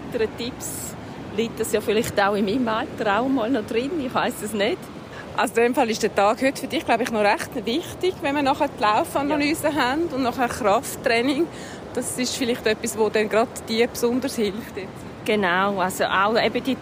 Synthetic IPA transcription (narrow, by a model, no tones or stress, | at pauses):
təɾətips | lik̚dɑsjɑːfɪlɪχtaʊɪmimaltəɾaʊəmɔːlnodɾɪnɪχʋaɪsəsnøt | ʔɑʊsdɛmfɑlɪʃd̥ɛːtɑːɡhytfyɾdɪχɡ̥laʊbɪχnɔɾɛχtvɪχtɪɡ̥vɛnmənɔχɛtlaʊfɑnɑlyːsəɦændʊndnɔχɛːɾχrɑftːɾɛnɪŋ | d̥ɑsɪʃfɪlɪχtœpːisvodɛnɡɾɑdd̥iəpsʊndəɾshɪlftjɛt͡s | ɡ̥enaʊalsoʔaʊɛbəd̥i